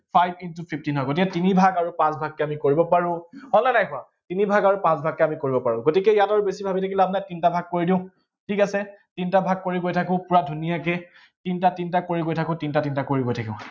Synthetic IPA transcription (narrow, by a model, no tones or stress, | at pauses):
pʰajbintupʰip̚tinɦɔjɡotikɛtinibʱaɡaɹupãsbʱak̚ːɛamikoɹibɔpaɹʊ̃hɔlnanajkʊa | tinibʱaɡaɹupãsbʱakːɛamikoɹibɔpaɹʊ̃ɡotikɛijataɹubesibʱabitʰakilab̚najtintabʱaɡ̚koɹidĩʊ̃ | tʰikasɛtintabʱaɡ̚koɹiɡojtʰakʊ̃pʊɹadʱunijakɛ | tintatintakoɹiɡojtʰakʊ̃tintatintakoɹiɡojtʰakĩʊ̃